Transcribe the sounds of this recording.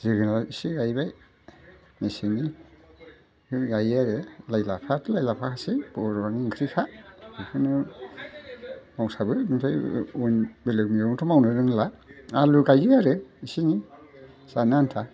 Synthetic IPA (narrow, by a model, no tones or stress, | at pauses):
zɯɡɯnlaisiɡajbaj | mesini | kʰɯɡajaɾɯlajlapʰatʰɯlajlapʰakʰasib̥ɔɾbaŋiŋkʰɾikʰazɯkʰɯnɯ | mawsabɯmintʰajunbelɯk̚miuŋtʰɔmawnɯɾɯŋlaaluɡajɯaɾɯisini | sanantʰa